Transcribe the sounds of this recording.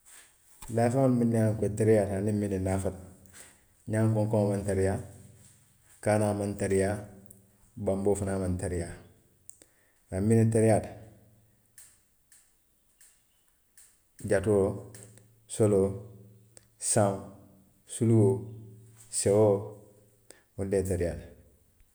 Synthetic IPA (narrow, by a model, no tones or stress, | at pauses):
lafaonminaŋketeɾijatanimːininafat̚ | ɲaŋkõŋkõŋmantaɾija | kaːnaːmantaɾija | bamboːfunamantaɾija | ɾamːinet̬eɾijat | ɟato | solo | sãm | suluwo | sewo | wundetaɾijat